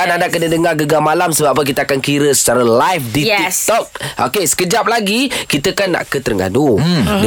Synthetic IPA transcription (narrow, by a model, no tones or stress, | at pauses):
anadakənədəŋarɡəɡamalamsəbappək̬it̪aakankiɾəsə̥t͡ʃaɾalajfdit̪ɔk̚ʔo̰kesə̥kəd͡ʒap̚laɡikit̪əkanːa̰ʔkət̪əɾŋɡa̰dudə